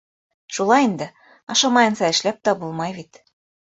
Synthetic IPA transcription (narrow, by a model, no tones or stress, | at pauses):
ʃulˠɑind̪ɘ̆ | ɑʃɑmɑjɤ̆nsɑɘ̆ʃlæp̚t̪ɑbulˠmɑjβit̪